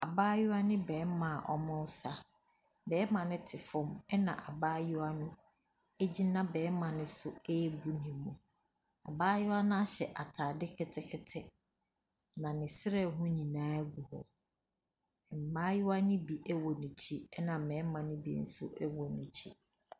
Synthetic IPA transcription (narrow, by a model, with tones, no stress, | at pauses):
a˨baː˦jʊ˦a˦nɪ̃˦bɛː˨˦mã˨ʔɔ˦mʊ̃˦wsa˦ | bɛː˨˦mã˨nɪ̃˦tʰɪ˨fʊ̃˦mɛ˦nã̰˨ʔa˨baː˦jʊ˦a˦nʊ̃˦ | e˦d͡ʑi˦nã˦bɛː˨˦mã˨nɪ̃˦sʊ˨e˦bu˦nɪ̃˨˦mũ˨ | a˨baː˦jʊ˦a˦nʊ̃˦a˦ɕɛ̰˨ʔa˨tʰaː˨dɪ˦kʰɪ˦tʰɪ˦kʰɪ˦tʰɪ˦ | nã˨nɪ̃˨sɪ˦ɾɛ˦˨ɦʊ̃˦ɲĩ˨nãː˦ɡu˨hɔ̰˨ | m̩˨maː˦jʊ˦a˦nɪ̃˦bi˨ʔɛ˦wɔ˨nũ˨t͡ɕʰi˦ɛ˦nã˨mɛ̃ː˨˦mã˨nɪ̃˦bḭ˨n̩˦sʊ̰˦ʔɛ˦wɔ˨nũ˨t͡ɕʰi˦